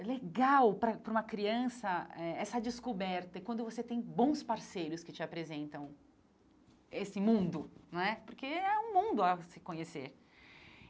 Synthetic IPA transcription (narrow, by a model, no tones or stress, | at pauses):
leɡawpɾɐpɾũmɐkɾiɐ̃sɐɛɛsɐd͡ʒɪskobɛɾt̪ɐɪkwɐ̃nd̪ʊvoset̪ẽj̃bõspaɾsejɾʊskɪt͡ʃɪapɾezẽnt̪ɐ̃w̃ | esɪmũnd̪ʊnɐ̃ɛpoɾkeɛũmũnd̪ʊɐsɪkõɲesḛɾ